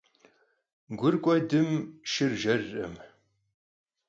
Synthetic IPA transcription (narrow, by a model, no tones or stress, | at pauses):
ɡʷʊrkʷʼɔdɨmʃɨrʒɐrːɨ̰m